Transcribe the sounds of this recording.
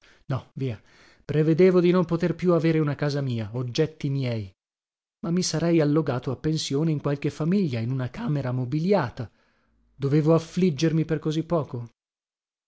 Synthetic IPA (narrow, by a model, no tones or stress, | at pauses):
nɔviːa | pɾeved̪eːvod̪inompot̪erpjuaveːɾeunakaːzamiːaod͡ʒːɛt̪ːimjɛːj | mamːisaɾɛjalːoɡaːt̪oapːensjoːneiŋkwalk̟efamiʎːainunakaːmeɾamobiljaːt̪a | d̪oveːvoaflid͡ʒːermiperkozipːɔːko